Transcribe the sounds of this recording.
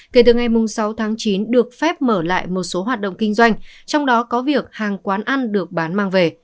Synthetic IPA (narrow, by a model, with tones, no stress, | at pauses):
ke˧˩t̪ɨ˨˩ŋa˨˩jmʊ˨˩ŋ͡msa˨˦wt̪ʰaː˨˦ŋt͡ɕi˨˦nɗɨ˨˩ək̚fɛ˦˥p̚məː˧˩la̰ː˧˨jmo˨˩t̚so˨˦ɦwaː˨˩t̚ɗə̰˧˨wŋ͡mkï˧ŋ̟zwa˧jŋ̟t͡ɕɔ˧wŋ͡mɗɔ˨˦kɔ˨˦vi˨˩ək̚haː˨˩ŋkwaː˨˦nʔa˧nɗɨ˨˩ək̚ɓaː˨˦nmaː˧ŋve˨˩